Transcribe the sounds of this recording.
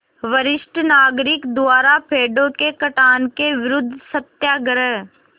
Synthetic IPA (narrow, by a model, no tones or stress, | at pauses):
ʋəɾɪʃʈənaːɡɾɪkd̪ʊaːɾapʰeːɖõkekɐʈaːnkeʋɪɾʊd̪ʱːsət̪jaːɡəɾəɦ